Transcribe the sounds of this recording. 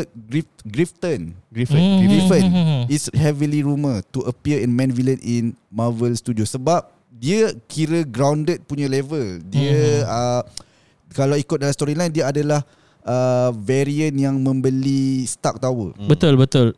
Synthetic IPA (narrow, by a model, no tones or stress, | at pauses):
ɡɾifɡɾift̪ənɡifənɡɾifənishɛviliɾumət̪uʔəpiəɛnmɛ̃nviləninmavəlst̪udiosəbap̚ | diəkʰiɾəɡɾawndət̪̚puɲãlevəldiəə | kalawikʊt̪̚dalast̪ɔɾilaindiəadalah | əvɛɾiənjaŋmə̃mbəlist̪ak̚t̪awə̰bət̪ʊlbət̪ʊl